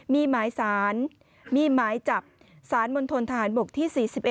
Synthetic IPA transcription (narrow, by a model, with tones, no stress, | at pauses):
miː˧maː˩˦jsaː˩˦n | miː˧maː˩˦jt͡ɕa˨˩p̚ | saː˩˦nmo˧nt̪ʰo˧nt̪ʰa˧ɦaː˩˦nbo˨˩k̚t̪ʰiː˥˩siː˨˩si˨˩p̚ʔ